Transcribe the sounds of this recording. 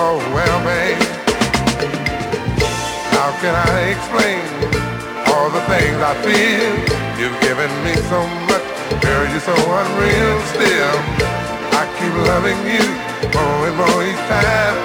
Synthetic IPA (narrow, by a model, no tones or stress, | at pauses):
oʊwɛlˠmeɪ | haʊkɨ̃ñaɪɨksplẽɪ̃n | ɔlˠðəθɪ̃ŋzaɪfilˠjʉvɡɪvɨ̃nmisoʊmʌt͡ʃ | wɛ˞jɨsoʊwʌ̃nɹilˠstɪlˠ | aɪkʰip̚lʌvɪ̃ŋjɨ | oɪ̃moliz̥tʰãɪ̃m